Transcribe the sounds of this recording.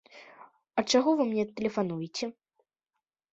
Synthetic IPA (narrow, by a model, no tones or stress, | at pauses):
ɐt͡ʂaɣɔvɨmnʲɛt̪ɛlʲɛfanujɛt͡sʲɛ